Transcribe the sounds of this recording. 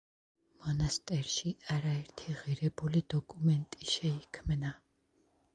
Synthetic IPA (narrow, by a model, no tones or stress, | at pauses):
mɔnast̪ʼɛɾʃiaɾaɛɾt̪ʰiʁiɾɛbulid̪ɔkʼumɛnt̪ʼiʃɛikʰmna